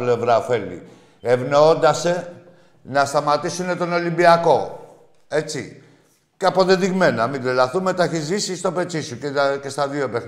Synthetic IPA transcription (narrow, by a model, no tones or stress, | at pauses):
ple̞vɾɐofe̞lḭ | evnoond̪ɐse̞ | nɐst̪ɐmɐt̪isune̞t̪o̞no̞limbiɐko̞ | e̞t͡si | ceɐpoðeðiɣme̞nɐmid̪elɐθume̞t̪ɐçizisist̪o̞pe̞t͡sisucece̞st̪ɐðioepeθ